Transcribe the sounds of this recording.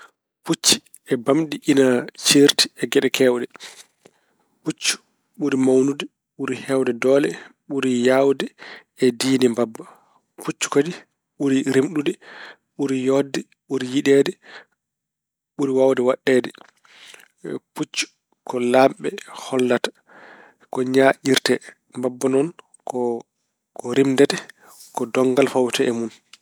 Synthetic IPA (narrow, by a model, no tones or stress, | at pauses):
put͡ʃːi̥ | ɛbamɗiʔinat͡ʃiɾti̥ɛɡɛɗɛkʰɛwɗɛ | put͡ʃːu̥ | ɓuɾimawnudɛ | ɓuɾihɛwdɛdɔːlɛɓuɾijawdɛ | ɛdiːnɛmbabːa | put͡ʃːu̥kadi | ɓuɾiɾemɗudɛ | ɓuɾijɔdːɛ | ɓuɾijiɗɛdɛ | ɓuɾiwawdɛwaɗːɛːdɛ | put͡ʃːu̥ | kɔlamɓɛhɔlːatḁ | kɔɲaʔiɾtɛ | mbabːɔnɔn | kɔ | kɔɾimdɛtɛ | kɔdɔŋɡalfawtɛɛmun